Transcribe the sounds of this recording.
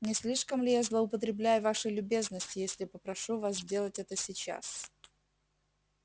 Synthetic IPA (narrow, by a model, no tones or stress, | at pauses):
nʲɪsʲlʲiʂkəmlʲɪjazlˠəʊpət̪ɾʲɪblʲæjʊvaʂɨjlʲʊbʲe̞znəsʲtʲɪjesʲlʲɪpəpɾɐʂuvaszʲdʲe̞lˠətʲɛt̪əsʲɪt͡ɕa̰s